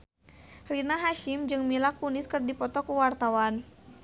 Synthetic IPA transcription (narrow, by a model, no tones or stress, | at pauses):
rinaɦaʃɪmd͡ʒɨŋmilakːunɪskɨrdipɔt̪ɔkuwart̪awan